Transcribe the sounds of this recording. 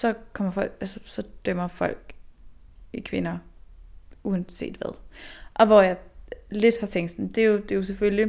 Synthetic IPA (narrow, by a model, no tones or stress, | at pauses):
sɒ̽kʰɒ̽m̰ɐfɒ̽l̰ɡ̥ælsɐsɒ̽d̥œm̰ɐfɒ̽l̰ɡ̥ | ikʰʋe̝nɐ | uɛn̥se̝̰ːd̥ʋæðˠʔɒ̽ʋɒjɑ̈ɪle̝d̥hɑ̈t͡sʰeŋ̰d̥snd̥e̝jo̝d̥e̝jo̝s̬efølli